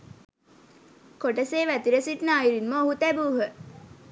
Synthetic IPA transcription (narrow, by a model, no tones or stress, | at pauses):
koʈəseːʋæt̪iɾəsiʈnəaiɾinməoɦut̪æbuːɦə